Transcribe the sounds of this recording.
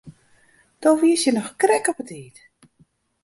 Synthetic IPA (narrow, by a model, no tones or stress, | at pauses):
d̥ɔʋiəsjənɔxkrɛkɔpətiːt